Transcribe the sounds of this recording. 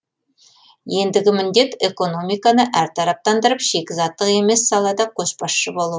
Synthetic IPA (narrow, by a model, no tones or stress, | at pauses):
je̞nd̪ɪɡʲɪmɪnd̪e̞t̪e̞ko̞no̞mijkɑnəʔæɾt̪ʰɑɾɑp̚t̪ɑnd̪əɾəpʒe̞kʲɪzɑt̪ːəqe̞me̞sːɑlˠɑd̪ɑkʲʰɵspɑʃʃəbo̞lˠu